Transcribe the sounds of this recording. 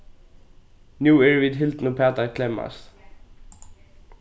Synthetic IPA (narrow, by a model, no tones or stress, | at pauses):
njuːɛɹviːd̪ɦɪlt̪nʊpʰæːt̪aɾkʰlɛmːa̰st̪